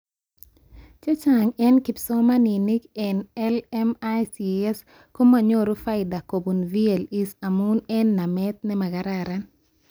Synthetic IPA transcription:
t͡ʃa˦t͡ʃaŋɛ˦nki˨psɔ˦ma˦ni˨ni˦kɛnɛlɛmasiɛ˦s | ko˦ma˨ɲo˦ɾo˦fa˦jda˨ko˨bu˨nvie˨li˦samu˦nɛ˦nːa˨mɛt̪̚nɛ˦ma˨ɡa˨ɾaɾan

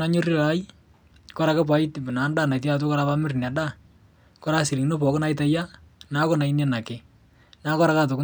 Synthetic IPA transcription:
na˦ɲʊ˦re˦la˦j | kɔ˦ɾa˨ke˦p̬a˨itɪbnaː˨˦ndaː˨na˨t̬at̬ʊ˦kɔ˦ɾa˦pa˦mɪ˦rna˨da˦˨ | kɔ˦ɾasi˨li˨no˦pɔ˨kna˨jt̬a˨ja˦ | na˦kɔ˦na˨inɛ˦na˨kɪ˨ | na˦kɔ˦ɾa˦ka˦t̬o˨kʊ˦

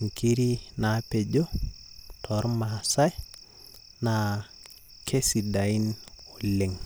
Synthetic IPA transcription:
ŋ̩˨ki˦ɾi˦na˨˦pe˨d͡ʒo˦tʰɔ˨˦ɾma˨sa˦j | na˨ | kʰe˦si˨da˨i˦no˨le˨ŋ

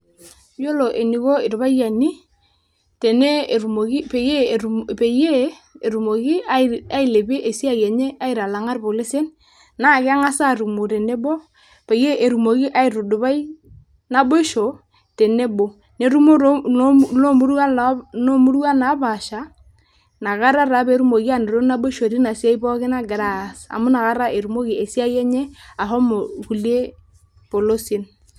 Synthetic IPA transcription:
jo˦lɔ˨ʔe˨ni˨ɣɔ˦ɪ˨ɾβa˦ja˨ni˦ | tɛ˨ne˦˨ɾu˨mo˨ki˦pe˨je˦˨pe˨je˦ | e˨ɾu˨mo˨ɣɪ˦a˦ɪ˨le˨be˦ʔe˨si˦a˨jɛ˨ɲe˦ʔa˦ɪ˨ɾa˨la˨ŋa˦rpo˨le˦se˦n | na˦˨kɪ˦a˦ŋa˦sa˦˨ɾu˨mo˨ɾɛ˨nɛ˦bɔ˦ | pe˨je˦ʔe˨ɾu˨mo˨ki˦ʔa˦ɪ˨ɾu˨dʊ˨βa˦i˦ | na˦bo˦ʃo˨ | te˨ne˦bo˨ | ne˨ɾu˦mo˦ɾlo˦mu˦ɾu˦a˦no˦mu˦ɾu˦a˦na˨˦ba˨ʃa˨ | na˨ɣa˦ɾa˦ɾa˨˦be˨˦ɾu˦mo˨ki˦a˦˨ne˨ɾo˦na˦bo˦ʃo˨ɾi˦na˨si˦a˦i˦bɔ˦kɪ˦na˦ɡɪ˨ɾa˨sa̰˨mʊ˦na˨ɣa˦ɾa˦ʔe˨ɾu˨mo˦ki˨e˨si˦a˦jɛ˦ɲɛ˦a˨ɦɔ˦mo˨ku˨le˦ | po˨lo˦sɪ˦n

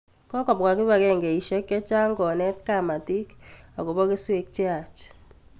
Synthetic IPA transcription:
kɔ˦kɔ˨p̚ka˨kɪ˦βa˨kɛ˦ŋɡe˨i˨ʃɛ˦kːɛ˦t͡ʃa˦ŋɡɔ˨nɛ˦t̪̚ka˦˨ma˨ti˦ka˨ko˨bɔ˦ke˦swe˦k̚t͡ʃe˦a˨t͡ʃ

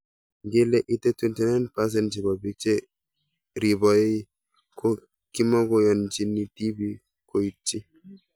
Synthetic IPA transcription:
ɡe˦lɛ˦ʔi˦tɛ˦tu˦ntɛ˦nɛ˦npas̬ɛ˦nt͡ʃi˨bɔ˨bi˦k̚t͡ʃe˦ | ɾi˨bɔ˨je˦ | kɔ | ki˦mɔ˦ɡɔjɔ˨nt͡ʃi˦nːi˨ti˦bi˦ | ko˨i˦tːi˦

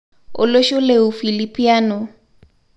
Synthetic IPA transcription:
ʊ̰˨lo˦ʃʊ˦leu˨fi˨lipʼi˦aː˦nʊ˨

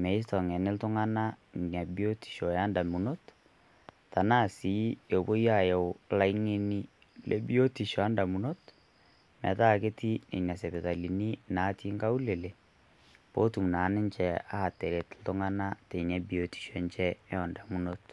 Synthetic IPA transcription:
mɛ˨i˦stɔ˨ŋɛ˨nɪ˦ltʊ˦ŋa˦na˦˨ɲɛ˨bi˦o˦ti̥˨ʃo˨ja˦nda˨mu˨no˦t | ta˨na˦˨si˨˦jo˨bo˦ja˦˨jɛ˨la˦i˦ŋe˦ni˦ | lʔe˦bi˦o˦ti˨ʃɔ˨a˦nda˨mu˨no˦t | mɛ̰˨ta˦˨ke˦ti˦nḛ˨na˨sɛ˨bɛ˨ta˨li˨ni˦na˨˦ti˦ŋɡa˦u˦le˨le˨ | po˦tu˨m˨na˨˦nɪ˦ɲt͡ʃɛ˦a̰˦a˨tɛ˨ɾe˨tl̩tʊ˦ŋa˦na˦te˨ɲɛ˨bi˦˨o˦ti̥˨ʃo˨˦nt͡ʃɛ˦ɛ˦ɔ˨nda˨mu˦no˦t

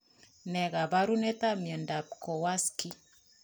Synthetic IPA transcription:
nɛ˨ɡa˨ba˦ɾu˦ne˦t̪a˦mjə˨nda˨p̚kɔ˨wa˦ski˦

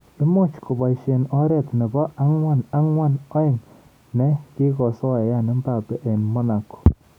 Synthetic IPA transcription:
u˦mo˦t͡ʃko˨ba˨ʃe˨nɔ˦ɾɛ˦˨tnɛ˨bɔ˦ʔa˦ŋwa˦˨na˦ŋwa˦nɔ˦ɪ˦˨ŋ | nɛ˦ki˦kɔ˨sɔ˦˨ja˦˨nɔ˦mba˨pɛ˨ʔe˨nmɔ˦na˨ko̥˨

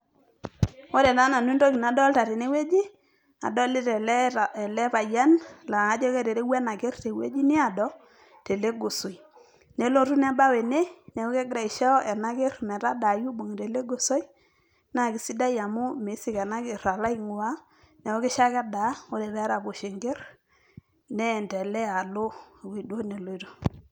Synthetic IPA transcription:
o˦ɾɛ˨na˦na˨nu˦ndo˦ki˨na˨˦dɔ˦lta˨ɾe˨ne˦we˦d͡ʒi˦ | a̰˨dɔ˦lɪ˦ɾɛ˨lɛ˨lɛ˦pa˨ja˦nla˨a˦d͡ʒɔ˦ke˦ɾe˨ɾe˦wɛ˦na˨ke˦rte˨wḛ˦d͡ʒi˦nɪ˦a˨dɔ˦ | te˨le˦ɡo˨so˨j | ne˨˦lo˦˨ɾu˦n˦a˦ba˦we˨ne˦nɛ˨o˦ke˦ɡɾa˨i˨ʃa˦ɛ˨na˦ke˦rmɛ˨ta˦da˨ju˦bo˨ŋ˨te˨le˦ɡo˨so˦i˦ | na˦˨kɪ˨si˦da˦ja˨mʊ˦me˨˦si˦kɛ˨na˦ke˨ɾa˨la˦i˦ŋʊ˨wa˦ | nɛ˨o˦ke˦ʃa˦ka˦da˨˦o˦de˨βɛ˦ɾa˨bo˨ʃe˨ŋɡe˦r | nɛ˦˨ntɛ˨lɛ˦a˨lo˦˨wi˨do˦ne˨lo˦i˦to˨˦

